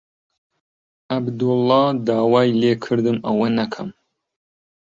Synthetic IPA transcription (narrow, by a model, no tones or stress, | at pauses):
ɐbd̪ʊlˠːɑd̪aːwaːjleːkʰɨɾd̪ɨmɐwɐnɐkʰɐm